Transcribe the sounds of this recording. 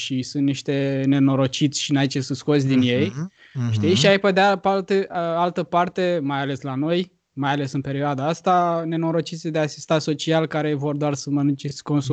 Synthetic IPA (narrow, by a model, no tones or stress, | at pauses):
ʃisunt̪niʃt̪e̞ne̞no̞ɾo̞t͡ʃit̪sʲʃinait͡ʃesɨnt̪sko̞t̪sʲd̪inje̞j | ʃt̪ijʃiajped̪eapalt̪ealt̪əpart̪e̞majale̞slano̞j | majale̞sɨnpe̞ɾioad̪aast̪ane̞no̞ɾo̞t͡ʃit̪sʲd̪easi̥st̪aso̞t͡ʃialkaɾe̞vo̞rd̪oarsəmənunt͡ʃesʲko̞nsu